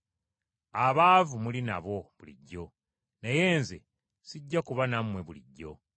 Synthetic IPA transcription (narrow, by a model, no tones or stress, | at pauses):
aβaːvumulinaβo̞βulḭɟːo̞ | neje̞ːnze | siɟːakuβanamwe̞βuliɟːo̞